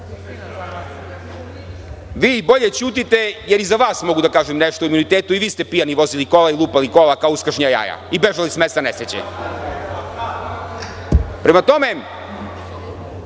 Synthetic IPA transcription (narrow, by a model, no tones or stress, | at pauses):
ʋiːbo̞ʎet͡ɕuːt̪̬it̪e̞jeɾizaʋaːsmo̞ɡud̪akaːʒemneʃt̪ouimunit̪eːt̪uiʋiːst̪e̞pijaniʋo̞ziliko̞lailˠuːpalikolakaouskɾʃɲaja̰ːja̰ibeʒalismest̪anesɾet͡ɕḛ | pɾemat̪o̞me